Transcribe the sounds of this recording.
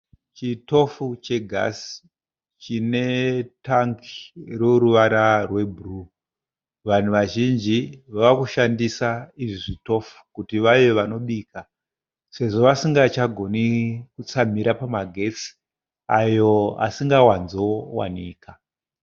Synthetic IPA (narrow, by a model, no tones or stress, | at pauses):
t͡ʃito̞fut͡ʃe̞ɡʱa̰si̥ | t͡ʃine̞taŋkiroɾuʋaɾarwe̞bʱuru | ʋan̤uʋaʒind͡ʒiʋaakuʃandisaiʐiʐito̞fu̥kutiʋajeʋano̞ɗiːka | se̞ʐo̞ʋasiŋɡat͡ʃaɡʱo̞nikut͡sam̤iɾapamaɡʱe̞t͡si̥ | ajo̞a̰siŋɡawanzowa̰niːka